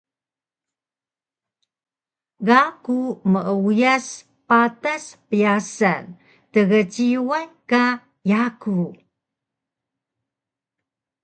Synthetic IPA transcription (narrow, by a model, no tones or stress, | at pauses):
ɣakuməʔəujas | pataspijasa̰n | təɣət͡ɕiwajka | jaku